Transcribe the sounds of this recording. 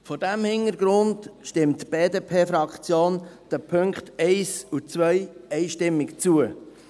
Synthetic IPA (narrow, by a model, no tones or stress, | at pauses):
fɔɾdæmhɪnəɾɡ̥ɾʊndʃtɪmtb̥eːdeːpʰeːfɾɑkχt͡sjoːnd̥əpʰɵŋkχtɛɪsut͡svœjɛɪʃtɪmːɪkt͡suə